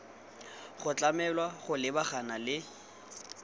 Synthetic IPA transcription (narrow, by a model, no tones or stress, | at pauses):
χʊt͡ɬʼamɛlwaχʊlɪbaχanalɪ